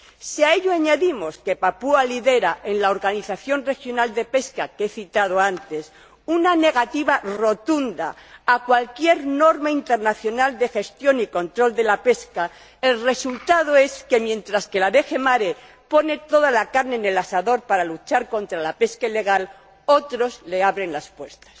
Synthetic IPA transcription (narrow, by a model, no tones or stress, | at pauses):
siae̞ʎoaɲaðimo̞ske̞papualiðe̞ɾaʔe̞nlao̞ɾɣaniθaθjo̞nre̞xjo̞nald̪e̞pe̞skake̞θit̪að̞oant̪e̞s | unane̞ɣ̞at̪iβaro̞t̪und̪a̰ːkwalkje̞ɾno̞ɾmaint̪e̞ɾnaθjonald̪e̞xe̞st̪jo̞niko̞nt̪ɾo̞ld̪e̞lape̞ska | e̞lre̞sult̪aðo̞e̞ske̞mje̞nt̪ɾaske̞laβe̞xe̞maɾe̞ | po̞ne̞t̪o̞ðalakaɾne̞ːne̞lasaðo̞ɾpaɾalut͡ʃaɾko̞nt̪ɾalape̞skaile̞ɣ̞al | o̞t̪ɾo̞zle̞aβɾe̞nlaspwe̞ɾt̪ḁs